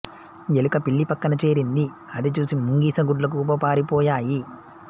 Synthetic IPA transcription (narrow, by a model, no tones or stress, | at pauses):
elukɐpiɭːipɐkːɐnɐt͡ʃe̞ːɾind̪i | ɐd̪it͡ʃuːsimuŋɡiːsɐɡuɖlɐk̬uːp̬ɐpaːɾipɔːjaːji